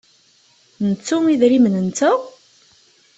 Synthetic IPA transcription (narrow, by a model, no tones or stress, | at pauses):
nət͡sːumiðɾimənənt͡sʊ